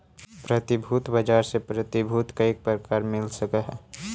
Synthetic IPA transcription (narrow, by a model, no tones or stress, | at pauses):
pɾət̪ibʱut̪bəd͡ʒaɾsepɾət̪ibʱut̪kaek̚pəɾkaɾmɪlsəkəɦɛ